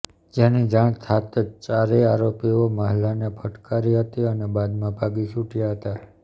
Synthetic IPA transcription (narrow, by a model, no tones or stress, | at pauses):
d͡ʒenid͡ʒaɳ̃t̪ʰat̪t͡ʃaɾeaɾopioməɦlanepʰəʈkaɾiɦət̪iənebad̪mãbʱaɡiʃuʈjaɦət̪a